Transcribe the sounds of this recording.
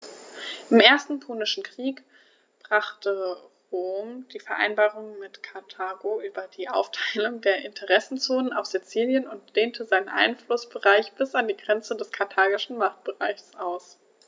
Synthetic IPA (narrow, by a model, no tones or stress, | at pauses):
ʔɪmʔeːɐstn̩pʰoːnɪʃn̩kʁ̥iːk | b̥ʁ̥aχtʰəʁoːmd̥iːfɛɐʔa̰ɪnbaːʁʊŋmɪtkʰaɐtʰaːɡoʔyːbɐdiːʔa̰ʊftʰaɪlʊŋdeːɐʔɪntʰəʁɛsn̩t͡soːnənaʊfz̥it͡siːljənʊntd̥eːntʰəzaɪnənʔa̰ɪnflʊsb̥əʁaɪçb̥ɪsandiːɡʁɛnt͡sədɛskʰaɐtʰaːɡɪʃn̩maχt̚b̥əʁaɪçsʔaʊs